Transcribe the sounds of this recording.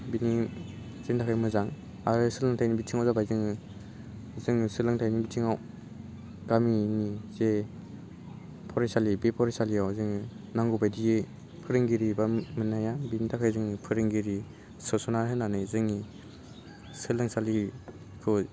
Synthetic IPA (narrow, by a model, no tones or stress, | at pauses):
bini | zeŋtʰakʰajmɯzaŋ | aɾɯsɯlɯŋtʰajnibitʰiŋawzabajzɯŋɯ | zɯŋsɯlɯŋtʰajnibitʰiŋaw | ɡaminize | pʰɔɾajsalibepʰɔɾajsalijawzɯŋɯ | naŋɡubajdiɡe | pʰɯɾɯŋɡiɾibamɯnajabinitʰakʰajzɯŋipʰɯɾɯŋɡiɾi | sɔsɔnaɾɦɯnanɯzɯŋi | sɯlɯŋsali | kʰɯ